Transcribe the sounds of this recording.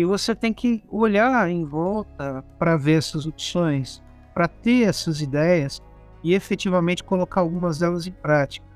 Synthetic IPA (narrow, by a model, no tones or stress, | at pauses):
ɪvoset̪ẽj̃kɪoʎaẽj̃vɔwt̪ɐpɾɐveɾɛsɐzopsõj̃s | pɾɐt̪eɛsɐzid̪ɛjɐs | ɪefet͡ʃivɐmẽnt͡ʃɪ̥kolokaɾawɡũmɐzɛlɐzẽj̃pɾat͡ʃi̥kɐ